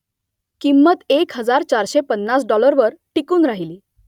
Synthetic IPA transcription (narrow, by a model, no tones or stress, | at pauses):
kimːət̪ekɦəd͡zaɾt͡ɕaɾɕepənːasɖɔləɾʋəɾʈikuːnɾaɦiliː